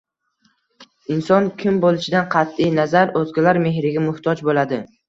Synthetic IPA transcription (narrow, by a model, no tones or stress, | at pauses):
ɪnsɒnkʲʰɪmbolɪʃɪd̪anqʰɑt̪ːɪjnazaɾozɡʲalaɾme̞ɦɾɪɡʲamʊht̪ʰɒd͡ʒbolad̪ɪ